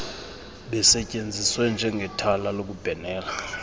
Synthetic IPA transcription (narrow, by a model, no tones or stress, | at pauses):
ɓɛsɛcʼend͡zʱiswɛnd͡ʒʱɛŋɡʱɛtʰalalok̬ub̥ʱɛnɛːla